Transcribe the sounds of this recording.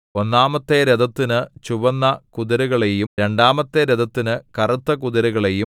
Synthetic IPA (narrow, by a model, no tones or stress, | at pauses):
o̞nːaːmɐt̪ːeɾɐd̪ɐt̪ːinɨt͡ɕuʋɐnːɐkuðɐɾuɣɐɭejuɾe̞ɳɖaːmɐt̪ːeɾed̪ʱɐt̪ːinɨkɐrɐt̪ːɐkuðɐɾuɣɐɭeju